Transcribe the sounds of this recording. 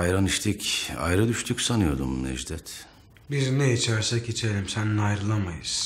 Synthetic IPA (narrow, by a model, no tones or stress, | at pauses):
ajɾaniʃt̪ʰica̰jɾɯd̪yʃt̪ʰycʲsanɯjo̞d̪umnɛ̰ʒd̪ɛt̪ | bizneit͡ʃʰæɾsɛcit͡ʃʰelʲimsænnajɾɯlˠamajɯz̥